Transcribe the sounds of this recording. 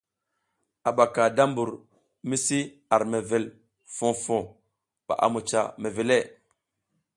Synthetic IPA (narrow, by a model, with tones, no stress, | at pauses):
a˨ɓa˨ka˨da˦mbu˨ɾ | mi˦si˦ | a˨ɾme˨ve˨l | fõ˨fo˨ | pa̰˨ʔa̰˨mu˨t͡ʃa˨me˨ve˨le˦˨